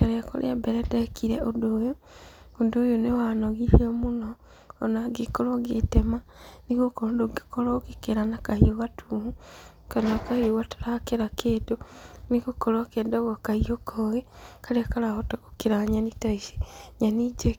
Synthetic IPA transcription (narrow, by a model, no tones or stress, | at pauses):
kaɾeako̰lḛabeɾedekʰiɾeʔodoːjo | udojonewanoɣihiomunoː | naɡikoloɡḛtemanikokondoɡikolokikeɾanakahioβatʰuːhu | kanakahioɣato̥ɾakeɾakʰeːtonikokolokedoɣokahiokʰoɣekaleakalahotokokiɾaɲanitaisi̥ɲanid͡ʒe